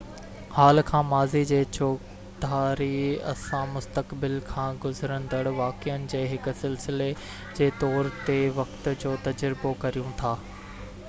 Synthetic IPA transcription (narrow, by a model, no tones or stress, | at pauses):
haːlkʰãːmaːzid͡ʑeːt͡ɕoːk | d̪aːɾiɐ̰sãmʊst̪əkbɪlkʰãːɡʊzɾə̃nd̪əɽʋaːkijənɪ̆d͡ʑeːɦɪkʊ̆sɪlsɪle | d͡ʑeːt̪ɔːɾt̪eʋɐkt̪ʊ̆d͡ʑoːt̪ɐd͡ʑɾɪbokɐɾijũt̪ʰaː